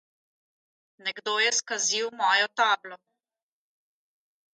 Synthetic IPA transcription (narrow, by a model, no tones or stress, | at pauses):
nɛɡd̪oːjɛskaziwmɔːjɔt̪aːblɔ